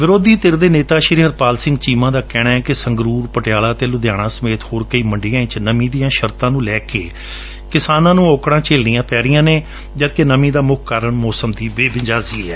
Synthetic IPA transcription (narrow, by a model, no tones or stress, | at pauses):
ʋɪɾoːd̪iːt̪ɪɾd̪eːneːt̪aːʃɪɾiɦəɾpaːlsɪ̃ŋɡt͡ʃiːmãːd̪aːkɛːɽ̃aːɛːkɪsəŋɡɾuːɾpəʈjaːlaːt̪eːlʊd̪jaːɽ̃ãːsəmeːt̪hoːɾkəiːməɳɖɪjãːɪ̃t͡ʃnəmĩːd̪ijãːʃəɾt̪ãːnũːlɛːkḛː | kɪsaːnãːnũːoːkɽãːt͡ʃeːlnijãːpɛːɾɪjãːneː | d͡ʒətkenəmĩːd̪aːmʊkʰkaːɾəɳmɔːsəmd̪iːbeːbɪd͡ʒaːziːɛː